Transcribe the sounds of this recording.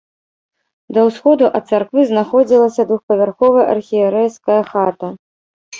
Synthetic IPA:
d̪ɐwsxɔd̪uʔɐt̪̚sarkvɨznaxɔd͡zʲilˠɐsʲɐd̪vuxpɐvʲarxɔvɐʔɐ̰rxʲijɛɾɛjskɐjɐxat̪ɐ

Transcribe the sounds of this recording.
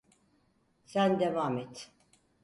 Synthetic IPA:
sænd̪evaːmɛt̪

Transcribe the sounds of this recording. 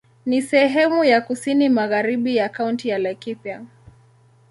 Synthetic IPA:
nisɛɦɛmujakusinimaɣaɾiɓijakauntijalakipja

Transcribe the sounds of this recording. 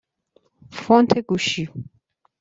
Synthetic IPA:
fɔnt̪ʰeɡuʃi

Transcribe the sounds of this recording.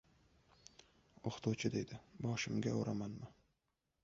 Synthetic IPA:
oχt̪ʰʊwt͡ʃʰɪd̪e̞jd̪ɪbɒʃɪmɡʲaoɾamanmɪ

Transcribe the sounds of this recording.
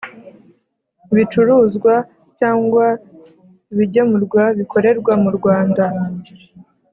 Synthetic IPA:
βit͡ʃuɾuːzɡwa | caːŋɡwa | iβiɟomuɾɡwaβikʰo̞ɾe̞ɾɡwamuɾɡwaːnda

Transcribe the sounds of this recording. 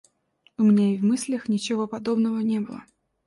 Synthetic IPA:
ʊmʲɪnʲaɪvmɨsʲlʲəxnʲɪt͡ɕɪvo̞pɐd̪o̞bnəvənʲebɨlˠə̰

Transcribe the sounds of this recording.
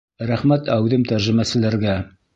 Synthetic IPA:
ɾæχmæt̪ʰæwðɘmt̪æɾʒɘ̆mæsɘ̆læɾɡæ

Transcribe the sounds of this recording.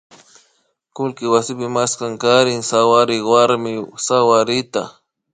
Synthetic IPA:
kʊlkɪwasɪpɪmaskaŋkaɾɪŋsawaɾɪwaɾmɪsawaɾɪt̪a

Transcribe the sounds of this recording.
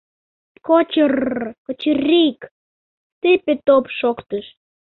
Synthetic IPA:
kot͡ɕərkə̆t͡ɕərʲik | t̪ɨpet̪opʃokt̪əʃ

